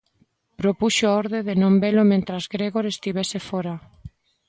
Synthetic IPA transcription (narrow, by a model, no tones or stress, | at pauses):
pɾopuʃoaoɾðeðenõmbelʊmẽnt̪ɾɐzɣɾeɣoɾest̪iβ̞esefoɾa